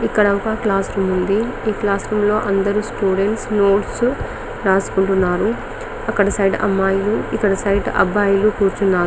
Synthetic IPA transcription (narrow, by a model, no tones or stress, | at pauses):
ikːɐɽɐʋukaːklaːsɾumund̪iiːklaːsɾumlo̞ːʔɐnd̪ɐɾusʈuːɽe̞ɳʈsno̞ːʈs | ɾaːsu̥kuɳʈunːaːɾu | ɐkːɐɽɐsɐjʈɐ̰mːaːjuluikːɐɽɐsɐjʈɐ̰baːjulukuːɾt͡ʃunːaːɾu